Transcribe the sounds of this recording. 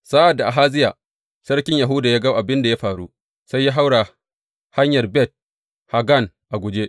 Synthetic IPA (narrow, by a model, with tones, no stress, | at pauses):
saː˦ʔa˨dːa˨ʔa˨ɦaː˦zɪ˦jaː˨ | sɐ˦rkʲɪ˦ɲja˨ɦu˦da˨jaː˦ɡa˦ʔa˨bɪ˦nda˨ja˦ɸaː˨ɽu˦ | sa˦jːaː˦ɦa˦wɽa˨ | ha˦ɲjɐ˨rbɛ˦˨t̚ | ha˨ɡa˦˨n | ʔa˨ɡʷʊ˨d͡ʒe˦ʔ